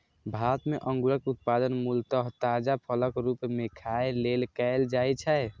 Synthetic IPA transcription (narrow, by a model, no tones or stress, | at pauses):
bʱat̪meʔə̃ŋɡuɾəkut̪̚pad̪ənmult̪əɦt̪ad͡ʒapʰələkɾupmekʰaelelkɛld͡ʒajt͡ʃʰɛ